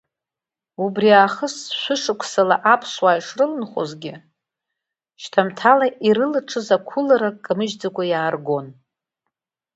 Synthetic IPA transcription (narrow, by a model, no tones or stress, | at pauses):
ubriaχəsʃʷʊʂɨkʷʰsalaʔapʰswaiʂrɨlɨnχʷo̰zɡʲɪ | ʃtʰamtʰalaʔiɾɨlɨʈ͡ʂʰɨzakʷʰʊlaɾakʼamɨʒd͡zakʷʼajaːrɡo̞n